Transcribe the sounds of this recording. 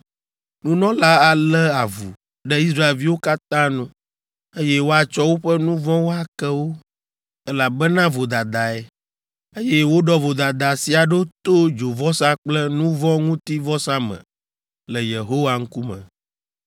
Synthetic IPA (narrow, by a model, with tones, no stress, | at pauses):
nũ˦nɔ̃˦la˦a˨lɛ˦a˨vu˨ | ɖɛ˦i˦s̬ɾa˦e˨lvi˦wo˦ka˦t̪ã˦nũ˦ | e˦jɛ˦wo˦a˨t͡ʃɔ˦wo˦ɸɛ˦nũ˦vɔ̃˦wo˦a˦˨kɛ˦wo˦ | ɛ˦la˨bɛ˦nã˦vo˨d̪a˨d̪a˨ɛ˦ | e˦jɛ˦wo˦ɖɔ˦vo˨d̪a˨d̪a˨si˨a˨ɖo˦t̪o˦d͡ʒo˨vɔ˦sa˦k͡plɛ˦nũ˦vɔ̃˦ŋũ˦t̪i˦vɔ˦sa˦mɛ̰̃˨ | lɛ˨je˨ɦo˦wa˨ŋ̩˦ku˦mɛ̰̃˨